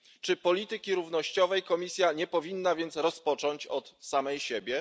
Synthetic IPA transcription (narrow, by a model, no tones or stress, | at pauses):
t͡ʂɘpɔlʲit̪ɘkʲiɾuvnɔɕt͡ɕɔvɛjkɔmʲisʲjaɲɛpɔvʲinːavʲjɛnt̪sɾɔspɔt͡ʂɔɲt͡ɕɔt̪samɛjɕɛbʲjɛ